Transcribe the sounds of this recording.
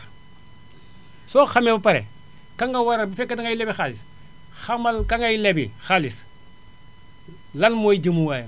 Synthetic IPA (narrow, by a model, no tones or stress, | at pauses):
soxamebupaɾḛ | kaŋɡawaɾabifekːataŋailebixalis | xamalkaŋɡajilebixalis | lalmoid͡ʒimuwaj